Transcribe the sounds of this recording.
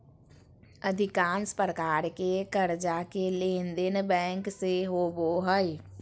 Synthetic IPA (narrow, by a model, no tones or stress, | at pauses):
əd̪ʱɪkaːnspɾəkaːɾkekəɾd͡ʒakeleːnd̪ɪnbɛ̃ːŋkseɦoboɦəj